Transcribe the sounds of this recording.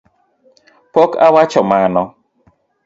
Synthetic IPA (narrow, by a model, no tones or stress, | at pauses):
pɔkawat͡ʃɔmanɔ